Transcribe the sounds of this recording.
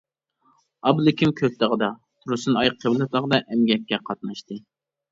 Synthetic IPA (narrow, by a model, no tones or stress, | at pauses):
ɑblˠɪkʲʰimkʲʰøp̚t̪əʁəd̪ɑt̪ʰuɾɨsɨnɑjqʰːəblˠɨt̪lˠəʁd̪ɑʔɛmɡʲɛkʲːɛqʰɑt̪̚nɑʃt̪ɨ